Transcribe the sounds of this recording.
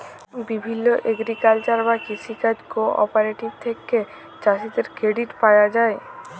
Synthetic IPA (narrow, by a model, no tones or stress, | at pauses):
bibʱinːoʔeɡɾikalt͡ɕaɾbakiʃikad͡ʑkoɔ̰paɾeʈibt̪ʰeke | t͡ɕaʃid̪eɾkɾeɖiʈpajad͡ʑae